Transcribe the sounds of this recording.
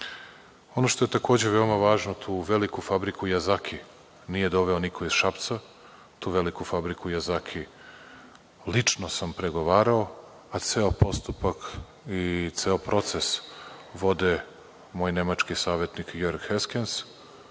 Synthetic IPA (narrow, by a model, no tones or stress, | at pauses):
o̞no̞ʃt̪oe̞t̪ako̞ːd͡ʑeʋe̞omaʋaːʒnot̪ʰuːʋelikufabɾikujazakʰi | nije̞d̪o̞ʋe̞onikʰoiz̥ʃapt̪sa | t̪uːʋe̞likufabɾikʰujazakʰi | lit͡ʂnosampɾe̞ɡo̞ʋaːɾao | at̪seopo̞st̪upak | it̪seopɾo̞t̪sesʋo̞d̪e | moːjne̞mat͡ʃkisaːʋje̞t̪nikjoɾɡheskens